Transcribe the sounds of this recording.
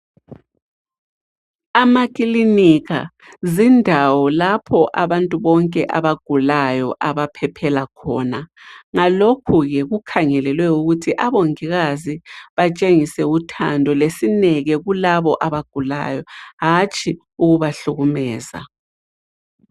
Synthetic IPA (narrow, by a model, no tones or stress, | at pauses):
amakʼilinika̰ | zindʱawɔlapʰɔʔaβantʼuβɔŋkʼɛ̰ʔaβaɡ̥ʱulajɔ̰ʔaβapʰɛpʰɛlakʰɔ̰ːnaŋalokʰuɣɛɣukʰaŋɛlɛlwɛuɣutʰiʔaβoŋiɣaziβat͡ʃʼeŋisɛutʰa̰ndʱɔlesinɛɣɛɣulaβɔʔaβaɡ̥ʱula̰jɔɦat͡ʃʼʰi | uɣuβaɬuɣumɛːza̰